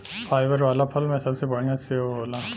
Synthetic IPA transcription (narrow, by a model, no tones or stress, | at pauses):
pʰaːɪʋəɾʋaːlapʰɐlmẽsɐbsebɐɽ̃ĩaseooːla